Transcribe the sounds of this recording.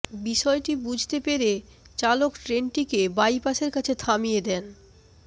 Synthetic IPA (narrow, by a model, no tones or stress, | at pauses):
biʃɔeʈibud͡ʑʱt̪epeɾe | t͡ɕalokʈɾenʈikebajpaʃeɾkat͡ɕʰet̪ʰamijed̪ɛn